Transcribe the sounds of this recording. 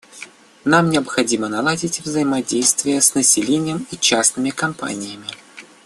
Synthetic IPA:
namnʲɪəpxɐdʲimənɐlˠadʲɪtʲvzəjɪmɐdʲejst̪vʲɪjəsnəsʲɪlʲenʲɪjəmit͡ɕasnɨmʲɪkɐmpa̰nʲɪjəmʲɪ

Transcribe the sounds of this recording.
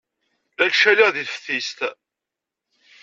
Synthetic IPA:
ælʃæliʁðiθfə̥θist̪

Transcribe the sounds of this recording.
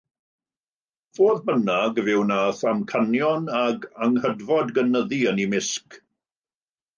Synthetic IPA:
v̥oːðbənaɡvɪwnaːθamkʰanjɔnaɡaŋhədvɔdɡənəðiənimɪsk

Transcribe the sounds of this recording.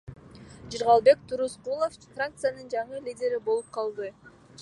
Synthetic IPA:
d͡ʒiɾʁɑlˠbe̞k̚t̪ʰuɾusqulˠo̞ffrak̚t̪sɨjanɯnd͡ʒɑɴɯlʲidʲe̞ɾibo̞lˠup̚qʰɑlˠd̪ɯ

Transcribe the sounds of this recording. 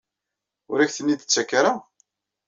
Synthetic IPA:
ʊɾæçθənːid̪ət͡sːækːaɾa

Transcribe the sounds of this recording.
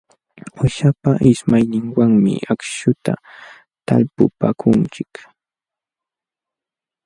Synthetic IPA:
waʃapaʔɪʃmajnɪŋwaŋmɪ̰ʔakʃʊt̪a̰ | t̪alpʊpakʰʊnt͡ʃɪk

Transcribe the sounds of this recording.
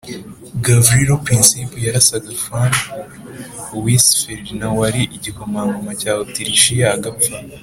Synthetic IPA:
ɡavɾiɾopɾĩnsipjaɾasaɡafan | wisfeɾdnawaɾiʔiɟikomaːŋɡamacaːwotiɾiʃijaɡafa

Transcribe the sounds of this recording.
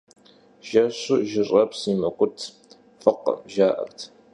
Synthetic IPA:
ʒ̥ɐɕʊʒɪɕʼɐpsimɐkʷʊtʰ | fɨqə̰ʒaːʔɐ̰rtʰ

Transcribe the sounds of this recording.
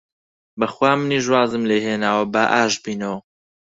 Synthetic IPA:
bɐxwaːmɨniːʒwaːzɨmleːɦeːnaːwɐbaʔaːʃbiːnɐw

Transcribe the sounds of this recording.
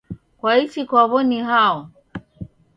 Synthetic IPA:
kwait͡ʃikwaβɔniɦaɔ

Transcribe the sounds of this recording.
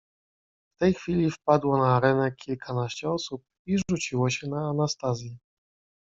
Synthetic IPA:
ft̪ɛjxfʲilʲifpad̪wɔnaːɾɛnɛkʲʰilkʰanaɕt͡ɕɛɔsup̚iʐut͡ɕiwɔɕɛnaːnast̪azʲji

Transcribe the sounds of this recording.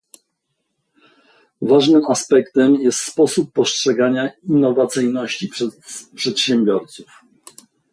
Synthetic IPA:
vaʐnɘmaspɛkt̪ɛmjɛst̪spɔsupːɔstʂɛɡaɲainːɔvat̪sɘjnɔɕt͡ɕipʂpʂɛt̪ɕɛmbʲjɔɾt̪suf

